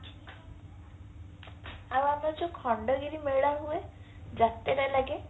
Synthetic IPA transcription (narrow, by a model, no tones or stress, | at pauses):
awamad͡ʒɔkʰɔɳɖɔɡiɾimeɭaɦue | d͡ʒat̪eɾajlaɡe